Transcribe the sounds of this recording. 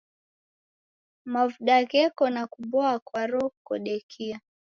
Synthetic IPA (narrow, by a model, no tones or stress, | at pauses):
mavuɗaɣɛkɔnakuɓɔakwaɾɔkɔɗɛkʰia